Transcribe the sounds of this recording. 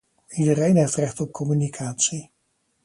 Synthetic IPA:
idərejnɦeftrɛχtɔp̚kʰɔmynikʰaːtsi

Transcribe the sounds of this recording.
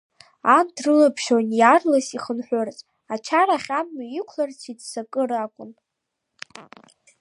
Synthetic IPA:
andrɨlapʰʃonjarlasiχənħʷᶣʊrt͡sʼ | at͡ʃʰaɾaχʲamːajɪkʷʰlart͡sʰidsakʼɨɾakʷʼʊn

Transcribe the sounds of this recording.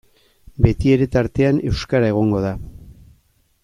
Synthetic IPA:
be̞t̪ie̞ɾe̞t̪aɾt̪e̞ane̞wskaɾae̞ɣ̞o̞ŋɡo̞ð̞a

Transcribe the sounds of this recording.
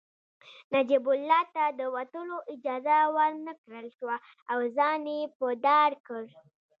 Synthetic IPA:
nad͡ʒibʊlːɑt̪ad̪əwat̪əloʔɪd͡ʒɑzawəɾnəkɾəlʃwa | awzɑnepəd̪ɑɾkəɾ

